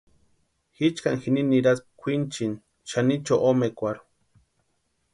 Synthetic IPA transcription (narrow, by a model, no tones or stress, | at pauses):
xit͡ʃkaŋxininiɾaspkʷʰint͡ʃin | ʃanit͡ʃoʔomekʷaɾu̥